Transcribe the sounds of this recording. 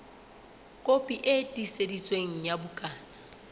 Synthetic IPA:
kʼopʼiʔetʼisedit͡sʼweŋ̩jabʊkʼaːna

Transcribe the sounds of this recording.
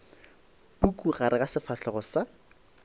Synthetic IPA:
pukuɣaɾɪɣasɪfaɬɔɣɔsa

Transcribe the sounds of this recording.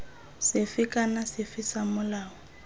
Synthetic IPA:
sɪfɪkʼanasɪfɪsamʊlaːɔ

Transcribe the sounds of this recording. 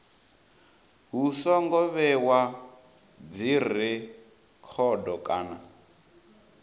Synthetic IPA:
ɦusɔŋɡɔβɛwa | d͡ziɾi | kʰɔdɔkʼa̰ːna

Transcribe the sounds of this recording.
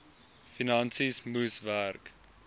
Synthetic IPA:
finɐnsismusværk

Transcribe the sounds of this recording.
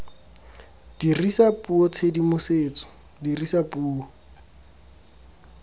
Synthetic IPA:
d̥irisapʼuɔt͡sʰedimʊseːt͡sɔ̥ | dirisapʼuːɔ

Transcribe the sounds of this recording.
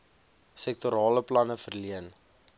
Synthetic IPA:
sɛk̚tuɾɑːləplɐnəfərliən

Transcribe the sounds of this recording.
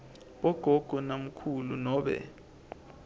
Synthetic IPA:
ɓɔɡ̥ʱɔɡ̥ʱɔnam̩kʰulṵnɔːɓɛ̰

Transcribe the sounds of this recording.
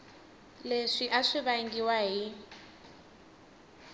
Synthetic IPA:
leʂiʔaʂiβaŋɡiwaɦi

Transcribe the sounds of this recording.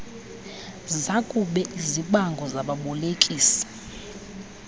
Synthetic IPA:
zakʼuɓɛʔiziɓaŋɡʱɔzaɓaɓɔlekʼiːsḁ

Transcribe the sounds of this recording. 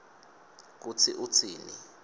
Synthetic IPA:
k̬ut͡sʰiʔut͡sʰiːnḭ

